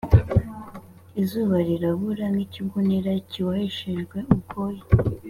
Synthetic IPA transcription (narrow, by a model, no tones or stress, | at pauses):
izuβaɾiɾaβuɾaŋɡiciɡuniɾaciwahiʃeʒɡwe̞ukʰoji